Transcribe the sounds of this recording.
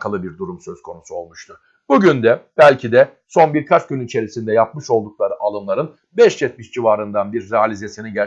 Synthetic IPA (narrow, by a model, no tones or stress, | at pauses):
kʰalˠɯbiɾd̪uɾumsø̞z̥kʰo̞nusuo̞lˠmuʃt̪ʰuɾ̥ | buɟynd̪ɛb̥ælʲcʰid̪ɛso̞nbiɾkʰat͡ʃɟynit͡ʃʰe̞ɾisind̪ɛjap̚mɯʃo̞lˠd̪uk̚lˠaɾɯʔalˠɯnlˠaɾɯn | bɛʃjɛt̪̚miʃd͡ʒivaːɾɯnd̪anbiɾːɛalʲize̞siniɟɛ